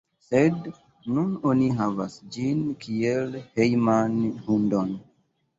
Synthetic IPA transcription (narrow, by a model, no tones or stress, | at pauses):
sed | nunoniɦavasd͡ʒinkʰielhejmanhundon